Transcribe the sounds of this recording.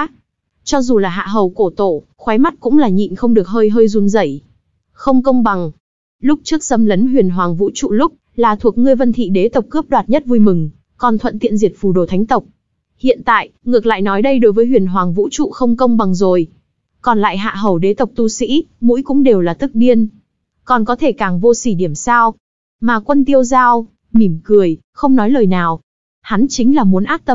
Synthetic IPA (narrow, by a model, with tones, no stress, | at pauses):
t͡ɕɔ˧zu˨˩laː˨˩ɦa̰ː˧˨ɦə˨˩wko˧˩t̪o̰˧˩˨ | xwa˨˦jma˦˥t̚kʊ̰˧˥ŋ͡mlaː˨˩ɲḭ˧˨nxə˧wŋ͡mɗɨ˨˩ək̚ɦəː˧jɦəː˧jzu˧nzə˧˩j | xə˧wŋ͡mkə˧wŋ͡mɓa˨˩ŋ | lʊ˦˥k͡p̚t͡ɕɨ˦˥ək̚sə˧mlə˨˦nɦwi˨˩ənɦwaː˨˩ŋvṵ˧˥t͡ɕṵ˧˨lʊ˦˥k͡p̚ | laː˨˩t̪ʰu˨˩ək̚ŋɨ˧əjvə˧nt̪ʰḭ˧˨ɗe˨˦t̪ə˨˩wk͡p̚kəː˦˥p̚ɗwaː˨˩t̚ɲə˦˥t̚vu˧jmɨ˨˩ŋ | kɔ˨˩nt̪ʰwə̰˧˨nt̪ḭ˧˨ənzi˨˩ət̚fu˨˩ɗo̰˧˩t̪ʰa˨˦ŋ̟t̪ə˨˩wk͡p̚ | hḭ˧˨ənt̪a̰ː˧˨jʔŋɨ˨˩ək̚la̰ː˧˨jnɔ˨˦jɗə˧jɗo˨˦jvəː˨˦jɦwi˨˩ənɦwaː˨˩ŋvṵ˧˥t͡ɕṵ˧˨xə˧wŋ͡mkə˧wŋ͡mɓa˨˩ŋzo˨˩j | kɔ˨˩nla̰ː˧˨jɦa̰ː˧˨ɦə˨˧˩wɗe˨˦t̪ə˨˩wk͡p̚t̪u˧sḭ˧˥mṵ˧˥jkʊ̰˧˥ŋ͡mɗe˨˩wlaː˨˩t̪ɨ˦˥k̚ɗi˧ən | kɔ˨˩nkɔ˨˦t̪ʰe˧˩kaː˨˩ŋvo˧si˧˩ɗi˧˩əmsaː˧w | maː˨˩kwə˧nt̪i˧əwzaː˧w | mi˧˩mkɨ˨˩əj | xə˧wŋ͡mnɔ˨˦jləː˨˩jnaː˨˩w | ha˨˦nt͡ɕï˨˦ŋ̟laː˨˩mu˨˦ənʔaː˦˥t̚t̪ə˧m